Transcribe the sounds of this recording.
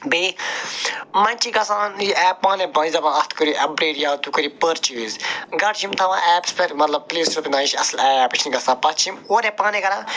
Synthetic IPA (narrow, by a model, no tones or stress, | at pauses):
beː | mɐnʲt͡ʃiɡɐsãːnjiɛːpãːnẽbɐ̃nzɐbãːɐt̪ʰkəɾiʔɐbɾeːʈjaːt̪ukəɾipəɾt͡ʃiːzɡɐʈt͡ʃʰimt̪ʰɐʋãʔɛːpspʰɐɾmɐt̪lɐb̚pliːsup̪inaːiʃiɐ̰slɛːɛːpt͡ʃʰniɡɐsãːpɐt̪t͡ʃʰimoːɾẽpaːnẽkɐɾãː